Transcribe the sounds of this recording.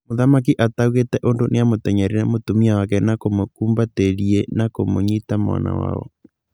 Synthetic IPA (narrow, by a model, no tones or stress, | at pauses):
moðamak̬iʔatauɣetɛʔondonʔejamotɛɲɛɾenamotomiawakɛnakomokuːmbateɾienakomoɲitamwa̰na̰wa̰ɔ̰